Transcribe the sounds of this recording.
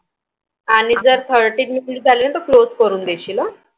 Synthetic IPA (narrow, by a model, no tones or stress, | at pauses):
aɽ̃id͡zəɾt̪ʰəɾʈiːnminiʈd͡zalelnat̪əklod͡zkəɾuːnd̪eɕilə